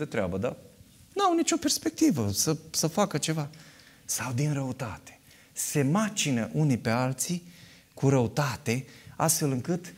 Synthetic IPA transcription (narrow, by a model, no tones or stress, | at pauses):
d̪et̪ɾea̰bəd̪a̰ | nawnit͡ʃo̞pe̞rspe̞k̚t̪ivəsəsəfakət͡ʃe̞va | sawd̪inɾəut̪at̪e̥ | se̞mat͡ʃinəʔunipe̞alt̪si | kuɾəut̪at̪e̞a̰st̪fe̞lɨŋkɨt̪